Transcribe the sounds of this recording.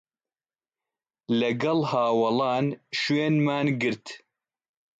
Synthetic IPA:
lɛɡɐlhaːwɐlɑːnʃweːnmaːnɡɨɾt̪

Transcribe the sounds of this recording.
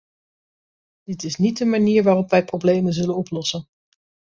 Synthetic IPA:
d̥ɪtɪsnit̚dəmaniːɹʋaːrɔpʋɛjprowblejmənzɵlənɔplɔsən

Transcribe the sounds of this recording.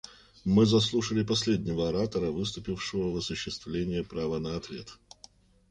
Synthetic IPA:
mɨzɐs̬lˠuʂəlʲɪpɐsʲlʲedʲnʲɪvəɐɾat̪əɾəvɨst̪ʊpʲɪfʂɨvəvɐsʊɕːɪst̪vlʲenʲɪjəpɾavənəɐt̪vʲe̞t̪

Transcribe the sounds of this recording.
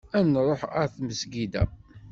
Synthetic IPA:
ænɾˤoħæɾθməsɡid̪æ̰

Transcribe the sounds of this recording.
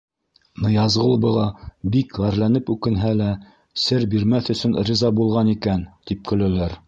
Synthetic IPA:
nɤ̆jɑzʁɤ̆lˠbɤ̆ʁˠɑbikʁæɾlænɘpʉkɘ̆nɦælæ | sɘɾbiɾmæθɵ̆sɵnrʲizɑbulˠʁɑnikænt̪ip̚kɵ̆lælæɾ

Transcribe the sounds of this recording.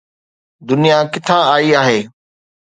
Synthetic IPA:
d̪ʊnijakɪt̪ʰãaːiaːɦeː

